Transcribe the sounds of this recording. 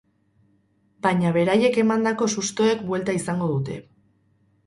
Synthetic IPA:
baɲaβe̞ɾaje̞ke̞mand̪ako̞sust̪o̞e̞kbwe̞lt̪aisaŋɡo̞ðut̪e̞̰

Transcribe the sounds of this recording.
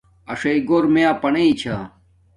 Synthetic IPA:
ɐʂɐiɡoːɾmejãːpɐneit͡ɕʰa

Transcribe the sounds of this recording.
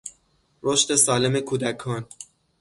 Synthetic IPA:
ɾoʃt̪e̞sɒːle̞me̞kʰuːd̪ækʰɒːn

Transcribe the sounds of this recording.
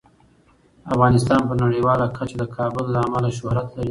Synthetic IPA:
afɣɑnɪst̪ɑnpənaɽiwɑlakʰat͡ʃad̪əkʰɑbʊlːaːmalaʃ̬ʊhɾat̪laɾi

